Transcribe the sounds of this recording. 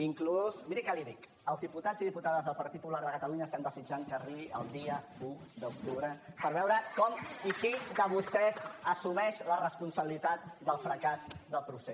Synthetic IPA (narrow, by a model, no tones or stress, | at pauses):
iŋkluzmiɾikɛliðik | əlˠzðiput̪ad͡zziðiput̪aðəzðəlˠpəɾt̪it̪̚pulaɾðəkət̪əluɲəsand̪əzid͡ʒaŋkəːriβiʔə̰lˠd̪iə | u | d̪əuk̚t̪uβɾəpəɾβɛwɾəkɔmikid̪əβust̪ɛzəsumɛʃlərəspunsəβilit̪at̪̚d̪əlˠfɾəkazd̪əlˠpɾuse